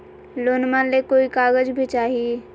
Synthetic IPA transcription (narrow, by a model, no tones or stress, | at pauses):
loːnmanlekoːikaːɡəd͡ʒbʱit͡ʃaːɦie